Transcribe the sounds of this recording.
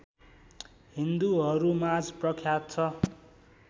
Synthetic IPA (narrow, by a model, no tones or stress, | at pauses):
ɦind̪uɦʌɾumad͡zprʌkʰjat̪̚t͡sʰʌ